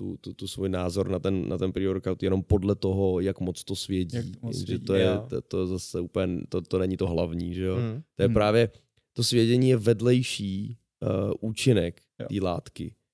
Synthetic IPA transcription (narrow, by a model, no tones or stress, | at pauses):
t̪ut̪ut̪usvujnaːzoɾnat̪ɛnna̰t̪ɛnpɾioɾkawt̪jɛno̞mpo̞dlɛt̪oɦojakmot͡st̪osvjɛɟḭːʒɛt̪ojɛt̪ojɛzasɛupl̩ɛnt̪ot̪onɛɲɪt̪oɦlavɲiːʒɛjot̪ojɛpɾaːvjɛ | t̪osvjɛɟɛɲiːjɛvɛdlɛjʃiː | ʔuːt͡ʃɪnɛk̪ | iːla̰ːt̪kɪ̰